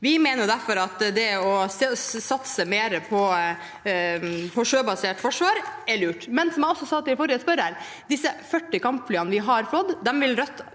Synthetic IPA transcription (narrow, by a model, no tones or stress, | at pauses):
ʋɪmeːnəd̪æɾfɔɾɑt̪d̪ɛɔssɑt̪səmeːɾəpʰɔ | pʰɔʂøːbɑseːʈfɔʂʋɑːɾɛɭʉːʈmɛnsɔmæɔsːɔsɑt̪ːɪfɔɾɪəspœɾæɾ | d̪ɪsːəfœʈːɪkɑmpflyːɑnəʋɪɦɑɾflɔd̪ːd̪ɛmʋɪlɾœt̪ː